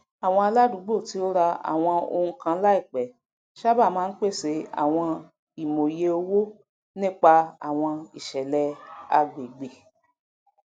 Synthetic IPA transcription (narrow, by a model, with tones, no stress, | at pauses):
a˨w̃ɔ̃˧a˧la˦du˨˦ɡ͡bo˦˨ti˨˦o˦ɾa˧a̰˨w̃ɔ̃˧o̰˧ũ˧kã˧˦la˦i˦˨k͡pɛ˨ | ʃa˦ba˦˨mãː˨˦n̩˦k͡pe˦˨se˧˦a̰˨w̃ɔ̃˧ | i˨mo˨je˨˦o˧wo˦ | nĩ˦k͡pa˧a̰˨w̃ɔ̃˧i˨ʃɛ˨lɛ˧a̰˧ɡ͡be˨ɡ͡be˨